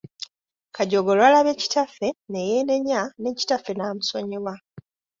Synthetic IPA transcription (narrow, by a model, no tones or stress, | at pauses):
kaɟoɡolwalaβe̞ci̥tafe̞ne̞jeːne̞ɲːane̞ːci̥tafːe̞namuso̞ɲiβwa